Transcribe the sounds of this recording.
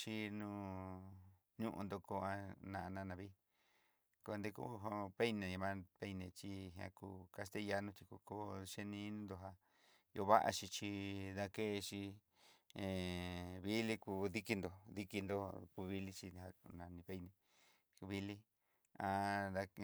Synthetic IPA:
t͡ʃi˧nũː˧ | ɲũ˦ʔṵ̃˧nd̪o˧ko˧a˧nã˧˨a˧nã˧nã˨˧βi˦ | ko˧nd̪e˧kṵ˦˧ɦo˧pe˦nẽ˨mã˦pe˧˦nẽ˧t͡ʃi˧˦ɦã̰˧ku˧˨ka˧st̪e˦˧ja˧nũ˧t͡ʃ̪i˧ku˧ko˦ʃe˦nĩ˧i˦nĩ˦nd̪o˧˨ɦa˧ | jo˧βa̰˦ʔa̰˧t͡ʃi˧t͡ʃi˧ða˧ke˦˧t͡ʃi˧ | ẽ˨βi˦li˦ku˧ði˦ki˧nd̪o˨ði˦ki˧nd̪o˧ku˧βi˧li˦t͡ʃi˧a˧nã˨nĩ˧βe˦˧˦nẽ˧ | βi˧li˦ | a˧ða˧

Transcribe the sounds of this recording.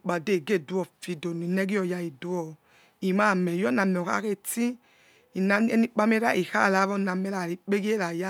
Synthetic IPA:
k͡pa˨de˦˨ɡe˦˨du˨˦ɔ˨fi˨do˨ni˨nɛ˦ɡi˦ɔ˨ja˧i˨du˦ɔ˨ | i˨ma˦˨mɛ˨jɔ˦na˨mɛ˨ɔ˨ka̰˦ke˦ti˦ | i˨na˨˦e˦ni˦k͡pa˦m˦e˦ɾa˦ʔi˨ha̰˦˨la˨˦βɔ˦˨na˨mɛ˨˦la˨ɾi˨k͡pe˦ɡi˦e˦la˨ja˦

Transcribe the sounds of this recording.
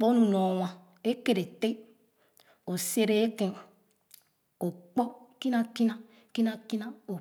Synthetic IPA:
k͡po˦nũ˨no˨wã˨ | e˦ke˨ɾe˨te˦ | o˨se˦ɾe˦e˦kẽ˨ | o˨k͡pɔ˦ki˦na˦ki˦na˦ | ki˦na˦ki˦na˦o˨

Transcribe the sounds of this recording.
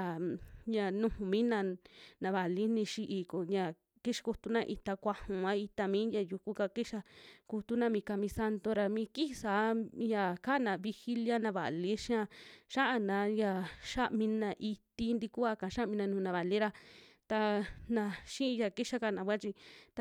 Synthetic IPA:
a˨ɲã˧nũ˧hũ˨mĩ˦nã˧nã˨˧βa˨li˦nĩ˧ʃi˧ʔi˧˨ko˨ɲã˧ | ki˦ʂḁ˧ku˧t̪u˧nã˧ʔi˧t̪a˧kʷa˧hũ˨ã˦i˧t̪a˧mĩː˦jã˧ju˧ku˦ka˧ki˦ʃa˧ku˧t̪u˦nã˧mĩ˧ka˧mĩ˧sa˧nd̪o˧ɾa˧mĩː˧˦ki˦˧sa˨˦ja˧ka˦˨nã˧βi˧xi˦lja˦nã˧βa̰˨li˦ʃã˦˧ʃa˦ʔa˧nã˨˧˦ja˧ʃa˦ʔmĩ˧nã˧ʔi˧t̪i˧˦nd̪i˧ku˦a˧kã˨ʃa˦ʔmĩ˧nã˧nũ˨˧nã˨βa˨li˦ɾa˧t̪a˧nã˧ʃĩ˦ĩ˧ja˧ki˦ʃa˦˧ka˧˨nã˨˧βʷa˦t͡ʃi˧t̪

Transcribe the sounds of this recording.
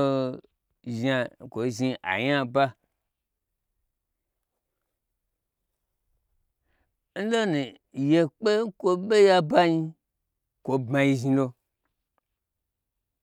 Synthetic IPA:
ʒa˨kʷo˨ʒi˧ʔa̰˨ɲa˦ba˦ | n̩˦lo˦nũ˨ | je˧k͡pe˦ŋ̩˦kʷo˧ɓe˦ja˧ba˦ɲi˧ | kʷo˧bmã˧ji˧ʒi˧lo˧

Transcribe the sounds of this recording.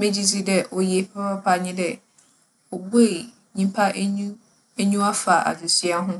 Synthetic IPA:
mẽ˦d͡ʑi˦d͡ʑi˦dɛ˦ʔɔ˨jɛ˨pʰɛ˦ba˦pʰa˨ɲɪ̃˦dɛ˦ | ɔ˨bu˦e˦˨ | ɲĩ˦m˦pʰa˦ʔũ˦ | e˦ɲũ˦a˦fa˨ʔa̰˨d͡ʑʊ˨si˦a˦ɦʊ̃˦

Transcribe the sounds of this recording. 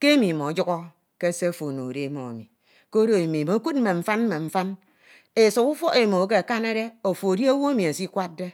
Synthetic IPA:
ke˦e˦mi˨mo˨d͡ʒu˦ɣɔ˦ | ke˦se˦fo˨no˨ɾe˦mo̰˨a̰˨mi˨ | ko˦ɾo˨e˨mi˨mo˨˦ku˦t̚m̩˦me˨ɱ̩˦fa˦n̩˦me˨ɱ̩˦fa˦n | e˨su˨ku˦fɔ˦ʔe˨mo˨˦k̬e˦a˨ka˦ne˦ɾe˦o˨fo˨da˦wo˦e˦mi˨a˨si˦kʷa˦t̚de˦

